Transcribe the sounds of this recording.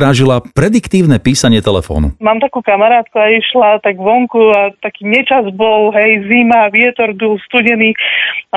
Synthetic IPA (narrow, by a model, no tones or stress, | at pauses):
ɾaːʒilapɾɛd̪ikt̪iːʊnɛpiːsaɲɪɛt̪ɛlɛfɔ̰ːnṵmaːmt̪akuːkamaɾaːt̪kuaiʃlat̪aɡʋɔŋkuat̪akiːɲɛt͡ʃazbɔlɦɛjzimaʋɪɛt̪ɔɾbilst̪uɟɛniː